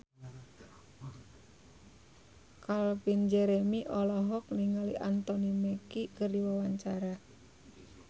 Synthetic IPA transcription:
kalpind͡ʒɛɾemiʔɔlɔɦɔk̚niŋalḭʔant̪ɔnimekikərdiwawaɲt͡ʃaɾa

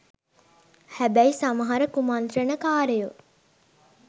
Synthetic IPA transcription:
hæbæisaməɦaɾəkumand̪ɾənəkaːɾeju

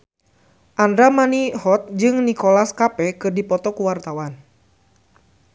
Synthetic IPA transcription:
ʔandɾamaniɦɔt̪̚d͡ʒɨŋnikɔlaskapɛkɨrdipɔt̪ɔkuwart̪awan

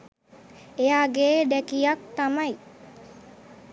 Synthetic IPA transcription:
ejaːɡeːɖ̪ɛkijak̚t̪amɐj

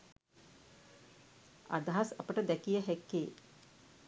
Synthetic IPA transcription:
a̰d̪aɦasapəʈəd̪ɛkijəɦɛkːeː

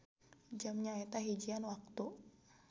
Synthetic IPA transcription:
d͡ʒamɲaɛt̪aɦid͡ʒianwak̚t̪u

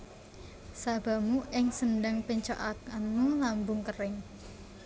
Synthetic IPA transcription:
sab̥a̤muʔɪŋsənɖaŋpəɲt͡ʃo̰ʔakanmulambʊŋkərɪŋ

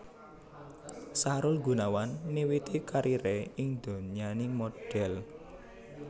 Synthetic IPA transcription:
saɾʊlɡṳnawanmiwit̪ikaɾʔiɾeɪŋd̪̥o̤ɲanɪŋmoɖ̥ɛl

